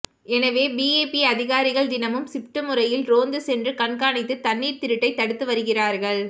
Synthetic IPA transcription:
ɛnɐʋeːbiːeːpiɐðɪɣaːɾɪɣɐɭd̪ɪnɐmɯmsɪpʈɯmɯɾɐjɪlɾoːnd̪ɯsɛndrɯkɐɳkaːnɪt̪ːɯt̪ɐnːiːɾt̪ɪɾɯʈːɐɪt̪ːɐɽɯt̪ːɯʋɐɾɯɣɪraːɾɣɐɭ

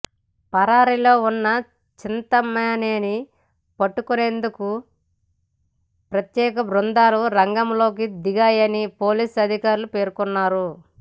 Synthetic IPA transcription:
pɐɾaːɾilo̞ːunːɐ | t͡ʃint̪ɐmaːneːni | pɐʈːukune̞ːnd̪uku | pɾɐt̪jɛːkɐbɾund̪aːluɾɐŋɡɐmlo̞ːk̬id̪iɡaːjɐnipo̞ːliːsɐd̪ʱikaːɾulupe̞ːɾkunːaːɾu

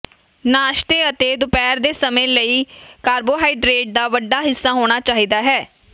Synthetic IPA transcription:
naːʃt̪eːət̪eːd̪ʊpɛːɾd̪eːsəmẽːləiːkaːɾboːɦaːiːɖɾeːʈ̚d̪aːʋəɖːaːɦɪsːaːɦoːɽ̃aːt͡ʃaːɦiːd̪aːɦɛː

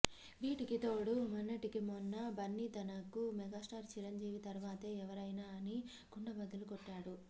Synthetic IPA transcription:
ʋiːʈikit̪oːɽumɐnːɐʈikimɔnːɐbɐnːit̪ɐnɐkːumɛɡaːsʈaːɾt͡ʃiɾɐɲd͡ʒiːʋit̪ɐɾʋaːt̪eɛʋɐɾɐjnaːɐni | ɡ̥uɳɖɐbɐd̪ːɐlukɔʈːaːɽu

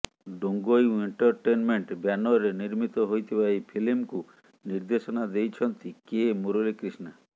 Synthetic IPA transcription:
ɖoŋɡojeɳʈɔɾʈenmeɳʈbjanɔɾeniɾmit̪ɔɦojt̪ʰibaipʰilimku | niɾd̪esɔnad̪ejt͡ʃʰɔnt̪ikemoɾolekɾisna

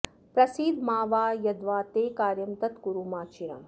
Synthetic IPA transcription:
pɾɐsiːd̪ʱmaːʋaːjɐd̪ʋaːt̪eːkaːɾjɐmt̪ɐt̪kuɾuːmaːt͡ʃiɾɐ̰m

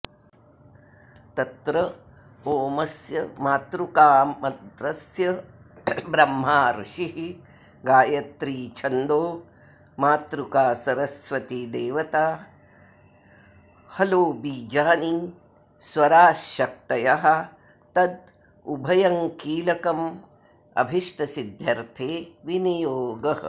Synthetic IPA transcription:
t̪ɐt̪ɾɐ | oːmɐsjɐmaːt̪ɾukaːmɐd̪ɾɐsjɐ | bɾɐmːaːɾuʂiɦi | ɡaːjɐt̪ɾiːt͡ʃʰɐnd̪oː | maːt̪ɾukaːsɐɾɐsʋɐt̪id̪eːʋɐt̪aː | hɐloːbiːd͡ʒaːni | swɐɾaːʃɐk̚t̪ɐjɐɦɐ̆ | t̪ɐd̪ | ubʱɐjɐŋkiːlɐkɐm | ɐ̰bʱiʂʈɐsid̪ʱjɐɾt̪ʰeːʋinijoːɡɐɦɐ̰̆

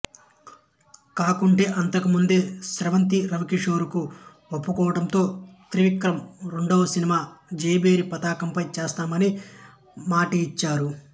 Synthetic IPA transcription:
kaːkuɳʈe̞ːʔɐnt̪ɐkumund̪e̞ːsɾɐʋɐnt̪iɾɐʋɐkiʂo̞ːɾuku | opːukɔːʋɐʈɐnt̪o̞ːt̪ɾiʋikɾɐmɾuɳɖɐwɐsinimaːd͡ʒeːbe̞ːɾipɐt̪aːkɐmpɐjt͡ʃeːst̪aːmɐni | maːʈiːt͡ʃːaːɾu

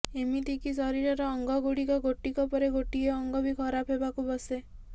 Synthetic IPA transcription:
emit̪ʰikisɔɾiɾɔɾɔːŋɡɔɡuɽikɔɡoʈikɔpɔɾeɡoʈiɔɔŋɡɔbʱikʰɔɾapʰɦebakubɔse

